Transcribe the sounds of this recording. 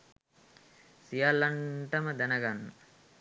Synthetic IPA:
sijalːɐɳʈəməd̪ænəɡanːə

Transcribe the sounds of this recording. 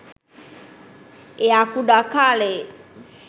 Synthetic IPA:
eakuɗakale

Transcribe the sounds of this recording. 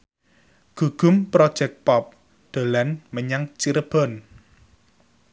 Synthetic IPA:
ɡ̥ṳɡ̥ʊ̤mpɾɔd̥ʒ̥ɛk̚t̪̚pɔp̚ | d̪̥o̤lanməɲaŋt͡ʃiɾəb̥ɔ̤n

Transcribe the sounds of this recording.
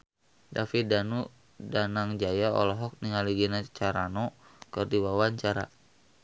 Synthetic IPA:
dafidanu | danaŋd͡ʒajaɔ̰lɔɦɔk̚niŋaliɡinat͡ʃaɾanɔkɨrdiwawaɲt͡ʃaɾa̰

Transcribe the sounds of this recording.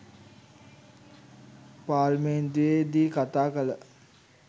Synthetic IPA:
paːlmend̪ujed̪iːkat̪aːkələ

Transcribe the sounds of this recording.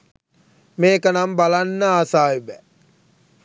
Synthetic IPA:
meːkənambalanːəaːsaːybæ

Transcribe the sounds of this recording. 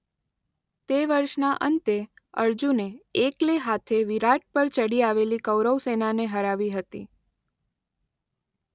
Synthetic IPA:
t̪eʋəɾʃnaʔə̰nt̪e | ə̰ɾd͡ʒuneekleɦat̪ʰeʋiɾaʈ̚pəɾt͡ʃəɽiaʋelikəwɾəwsenaneɦəɾaʋiɦət̪ḭ

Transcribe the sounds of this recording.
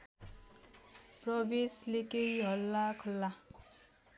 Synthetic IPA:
prʌbeslekejɦʌlːakʰɔlːa

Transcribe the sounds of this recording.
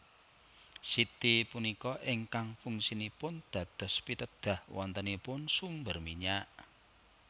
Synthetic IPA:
sit̪ipunikɔʔɪŋkaŋfuŋsinipʊnd̪̥ä̤d̪̥ɔ̤spit̪əd̪̥ä̤hwɔ̰nt̪ənipʊnsumbərmiɲaʔ

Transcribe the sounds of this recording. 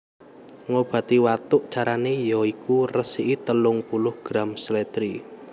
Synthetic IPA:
ŋob̥ä̤t̪iwat̪ʊʔt͡ʃaɾanejɔikurəsiʔit̪əlʊŋpulʊhɡ̥ɾamsəlet̪ɾi

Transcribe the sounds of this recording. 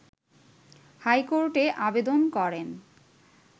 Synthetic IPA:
hajkoɾʈeʔabed̪onkɔɾen

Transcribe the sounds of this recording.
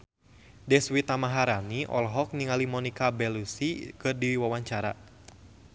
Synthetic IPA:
dɛswit̪amaɦaɾaniʔɔ̰lɦɔk̚niŋalimɔnikabɛlusikɨrdiwawaɲt͡ʃaɾa̰

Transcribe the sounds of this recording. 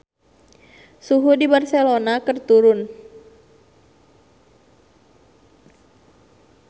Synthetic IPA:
suɦudibarsɛlonakərt̪uɾʊn

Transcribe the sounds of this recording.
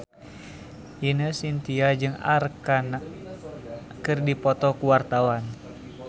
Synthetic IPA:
jinəsint̪iad͡ʒɨŋa̰rkanak | kːɨrdipɔt̪ɔkuwart̪awan

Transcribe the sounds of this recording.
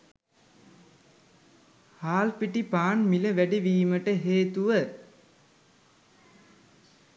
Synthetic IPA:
haːlpiʈipaːnmiləʋæɖiʋiːməʈəɦeːt̪uʋə

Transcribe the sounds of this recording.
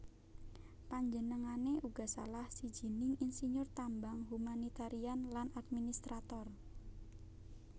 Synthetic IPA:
paɲd͡ʒənəŋaneʔuɡ̥a̤sa̰lahsi̥d͡ʒi̤nɪŋinsiɲʊrt̪ambaŋɦumanit̪aɾianlanad̪̚minist̪ɾat̪ɔr

